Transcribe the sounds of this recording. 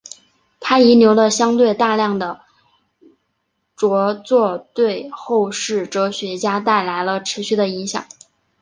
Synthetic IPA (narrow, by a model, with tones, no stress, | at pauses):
t̪ʰa˥i˧˥njo˧˥ʊlə˧ɕjɑ˥ŋt̪̬we˥˧ɪt̪a˥˧ljɑ˥˩ŋd̪ə˩ | ʈ͡ʂwɔ˧˥t͡swɔ˥˧t̪we˥˧ɪxo˥˧ʊʂɻ̩˥˩ʈ͡ʂɤ˥ɕɥɛ˧˥t͡ɕja˥t̪a˥˩ɪla˧˥ɪlə˧ʈ͡ʂʰɻ̩˧˥ɕy˥˩d̪ə˧i˧˥ŋɕjɑ̰˨˩˦ŋ